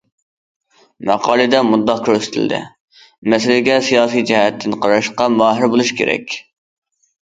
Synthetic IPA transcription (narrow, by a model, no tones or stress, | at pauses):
mɑ̰qʰɑːlˠɨd̪ɛmud̪ːɑqkʲʰøɾsɪ̥t̪ʰɪ̰ld̪ɪ̰ | mɛsɪlɪɡʲɛsijɑːsijd͡ʒɛɦɛt̪ʰːɪnqʰɑɾɑʃqɑmɑːɦɪɾbolˠuʃkʲʰḛɾɛ̰kʲ